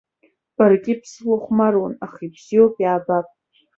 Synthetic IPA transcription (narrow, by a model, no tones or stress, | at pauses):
b̥arɡʲɪpʰslaχʷmarwanaχibz̥iopʼjaːbapʼ